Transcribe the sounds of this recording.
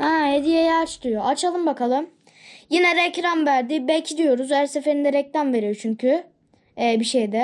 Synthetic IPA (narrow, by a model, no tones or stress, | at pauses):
hɛhed̪ijejaːt͡ʃt̪ujo̞ʔat͡ʃʰalˠɯmbakʰalˠɯm | jinɛɾɛcɾamvæɾd̪ibɛcʰid̪ijo̞ɾuzæɾse̞fe̞ɾind̪ɛɾɛcɾamve̞ɾijo̞t͡ʃʰyɲcʰyː | biʃejd̪ɛ